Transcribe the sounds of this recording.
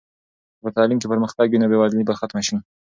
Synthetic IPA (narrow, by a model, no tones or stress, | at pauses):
pət̪ɑlimt͡ʃepəɾməxt̪ɑɡinabewɑd̪libaxat̪maʃin